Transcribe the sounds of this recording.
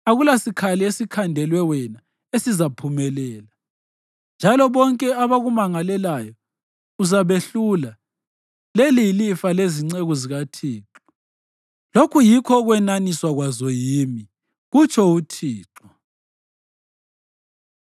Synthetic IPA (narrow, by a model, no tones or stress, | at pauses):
aɣulasikʰaliesikʰandʱɛlwɛwɛna | esizapʰumɛlɛːla | nd͡ʒʱalɔβɔŋkʼɛaβaɣumaŋalɛlajɔ | uzaβeɬula | lelilifaleziŋ͡ǀeɣuziɣatʰiːǁɔ̥ | lokʰujikʰɔɣwɛnaniswaɣwazɔjimi | ɣut͡ʃʰɔutʰiːǁɔ